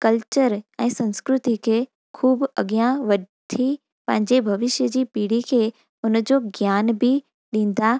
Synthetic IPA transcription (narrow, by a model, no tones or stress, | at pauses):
kɐlt͡ɕəɾɛ̃ːsɐ̃nskɾʊt̪ikʰeː | kʰuːbɐ̰ɠijãʋɐɗ | t̪ʰi | pɐ̃ɦɪ̃ɲd͡ʑebʱɐʋɪʃjəd͡ʑiːpiːɽikʰeː | ʊnd͡ʑoɡjaːnbʱi | ɗĩːn̆d̪a